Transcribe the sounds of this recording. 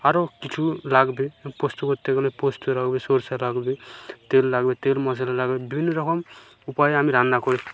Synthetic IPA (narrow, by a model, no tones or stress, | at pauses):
aɾokit͡sʰulaɡbepost̪ukot̪eɡlẽpost̪uɾaɡbesoɾsalaɡbet̪elːaɡbet̪elmʌsalalaɡbebibʱinːʌɾʌkʌm | upajɦamiɾãnd̪akʰoɾe